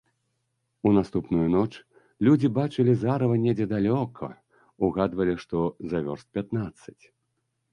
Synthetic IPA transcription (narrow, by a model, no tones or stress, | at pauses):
unast̪upnujunɔt͡ʂ | lʲud͡zʲibat͡ʂɨlʲizaɾɐvɐnʲɛd͡zʲɛd̪alʲɔkʰɐ̰ | uɣad̪vɐlʲiʂt̪ɔzavʲɔrst̪̚pʲat̪nat̪sːɐt͡sʲ